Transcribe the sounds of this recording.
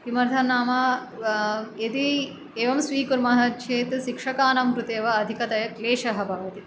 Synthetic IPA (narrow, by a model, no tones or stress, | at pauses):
kimɐɾd̪ʰʱɐnːaːmɐ | et̪i | eːʋɐmsʋiːkuɾmɐɦɐ̆t͡ʃʰeːt̪ʃikʂɐkaːnɐmkɾut̪eːʋɐːd̪ʱikɐt̪ɐjɐkleːʂɐɦɐbʱɐːʋɐt̪i